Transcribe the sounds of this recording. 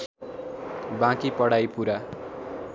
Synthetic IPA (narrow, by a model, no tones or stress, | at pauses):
bãkipʌɽajpuɾa